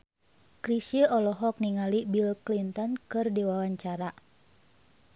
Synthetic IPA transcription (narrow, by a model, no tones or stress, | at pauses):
kɾisjəʔɔlɔɦɔk̚niŋalibilklint̪ɔnkɨrdiwawaɲt͡ʃaɾa